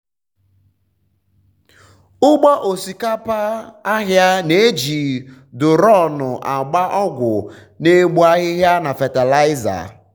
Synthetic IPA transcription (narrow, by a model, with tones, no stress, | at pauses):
ʊ˦ɡ͡bɔ˦ʔo˨si˨ka˦pa˦a˦ɦja˦ne˦e˦d͡ʒi˨ | dʊ˨ɾɔ˦˨nʊ˨ʔa˨ɡ͡ba˦ʔɔ˦ɡʷʊ˨ | ne˦ɡ͡bu˦a˦ɦɪ˦ɦja˦na˨fa˨ta˨la˦ɪ˦za̰˨